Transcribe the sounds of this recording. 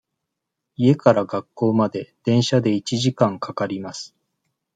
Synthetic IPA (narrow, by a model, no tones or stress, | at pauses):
ie̞kaɾaɡakːo̞ːmad̪e̞d̪̥ẽ̞ɰ̃ɕad̪e̞it͡ɕiʑikãŋkʰakaɾʲimasɨ̥